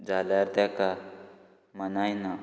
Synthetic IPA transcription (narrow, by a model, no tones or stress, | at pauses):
d͡zalaɾt̪aka | mənajna